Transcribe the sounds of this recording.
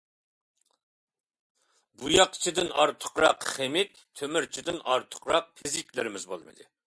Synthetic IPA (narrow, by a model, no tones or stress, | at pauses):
bujɑqt͡ʃʰid̪ɪnɑɾt̪ʰʊ̥qɾɑ̰qχemɪt̪ | t̪ʰømɪɾt͡ʃʰid̪ɪnɑɾt̪ʰʊ̥qɾɑq̚pʰɪzɪkʲlɪɾɪmɪzbo̰lˠmɨ̰d̪ɨ̰